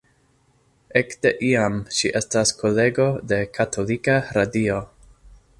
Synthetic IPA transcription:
ekdeʔiamʃiʔe̞staskʰo̞le̞ɡo̞de̞kʰatʰo̞likaɾadio̞

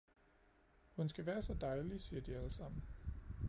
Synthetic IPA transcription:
hunsɡ̥æʋæːɐsɒ̽d̥ɑ̈ɪlisiːɐd̥iæləsɑ̈m̰n̩

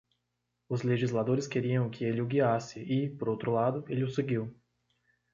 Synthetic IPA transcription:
ʊzleʒizlad̪oɾɪskeɾiɐ̃w̃kʰɪelɪʊɡiasɪɪpoɾowt̪ɾʊlad̪ʊelɪʊseɡiw

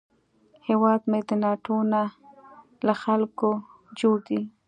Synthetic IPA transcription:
hewɑd̪med̪ənɑʈona | laxalko | d͡ʒoɽd̪i

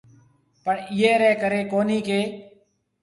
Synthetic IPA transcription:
pəɳɪjeːɾɛːkəɾeːkoːniːkeː

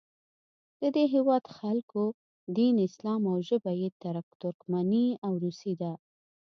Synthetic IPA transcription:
d̪̥əd̪eɦewɑd̪xalko | d̪inɪslɑmawʒəbajet̪aɾakt̪ʊɾkmaniawɾusid̪a

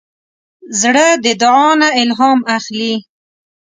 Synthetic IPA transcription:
zɽəd̪əd̪ʊʕɑnaɪlɦɑmaxli

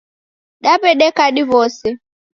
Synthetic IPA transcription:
ɗaβɛɗɛkaɗiβɔsɛ

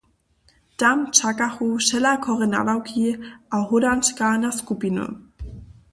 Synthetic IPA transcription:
tamt͡ʃakaxuʃɛlakʰɔʁɛna̰vawkʰiʔaɦʊdant͡ʃkanaskupinṵ

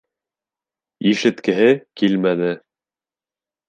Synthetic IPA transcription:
iʃɘ̆t̪kɘ̆ɦɘkilmænɘ

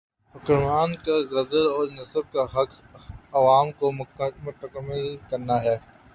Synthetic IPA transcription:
hʊkɾmaːnkaɣɐzəlɔːɾnɐsəb̚kaɦɐk | ɐʋaːmkomʊt̪əkəmːɪlkɐɾnaɦɛː

